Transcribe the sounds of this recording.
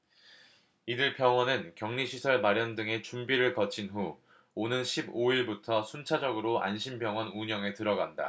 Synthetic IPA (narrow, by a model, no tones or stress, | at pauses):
idɯɭpjʌŋwʌnɯnkjʌŋɲiɕʰisʰʌɭmaɾjʌndɯŋe̞t͡ɕumbiɾɯɭkʌt͡ɕʰinɸu | onɯnɕʰiboiɭbutʰʌsʰunt͡ɕʰad͡ʑʌɡɯɾoa̰nɕʰimbjʌŋwʌnuɲʌŋe̞tɯɾʌɡanda̰